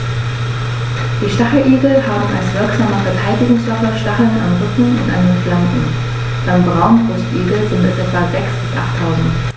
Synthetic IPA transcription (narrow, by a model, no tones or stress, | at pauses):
d̥iːʃtaχl̩ʔiːɡl̩haːbm̩ʔa̰lsv̥ɪɐkz̥aːməfɛɐtʰaɪdɪɡʊŋsv̥ɔfɐʃtaχl̩na̰nʁʏtn̩ʔʊ̰ntʔa̰ndenflankn̩ | d̥ambʁaʊnvʊstʔiːɡl̩zɪntmɛtʔɛtv̥azɛksb̥ɪsʔa̰χtʰːaʊzn̩t